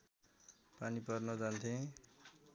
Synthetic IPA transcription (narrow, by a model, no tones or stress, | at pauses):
panipʌrnʌd͡zant̪ʰẽ